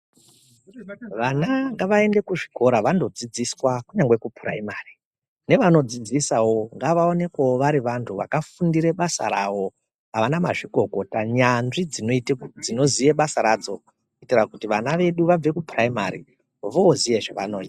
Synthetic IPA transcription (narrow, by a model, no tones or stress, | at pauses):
ʋanaŋɡaʋae̞nde̞kuʐikʰo̞ɾaʋando̞d͡zid͡ziswakuɲaŋɡwe̞kupra̰imaːri | ne̞ʋano̞d͡zid͡zisawo̞ŋɡaʋaone̞kaoʋaɾiʋantʰuʋa̰kafundiɾe̞ɓasa̰ɾa̰wo̞ | ɦaʋanama̰ʐiɡʱo̞ko̞taɲanʐid͡zid͡zino̞zije̞ɓasaɾad͡zo̞ | itirakutiʋanaʋe̞ɗuʋab͡ve̞kupraima̰ɾḭ | ʋoːzije̞ʐaʋa̰no̞ːita